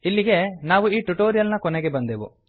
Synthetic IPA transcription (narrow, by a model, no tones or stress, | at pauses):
ilːiɡe̞naːʋuiːʈuʈoːɾijɐlnɐkɔneɡe̞bɐnd̪eʋṵ